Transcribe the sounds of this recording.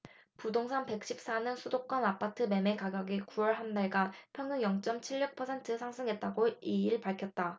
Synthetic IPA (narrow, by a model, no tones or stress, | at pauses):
pudoŋsʰanpe̞k̚ɕ͈ʰip̚s͈anɯnsʰudok͈̚ʌnapʰatʰɯme̞me̞kaɡjʌɡikuwʌɭɦandaɭɡapʰjʌŋjuŋjʌŋt͡ɕ͈ʌmt͡ɕʰiɭːuk̚pʰʌsʰe̞ntʰɯsʰaŋsʰɯŋɦe̞t̚t͈aɡoiiɭpaɭkʰjʌt̚t͈a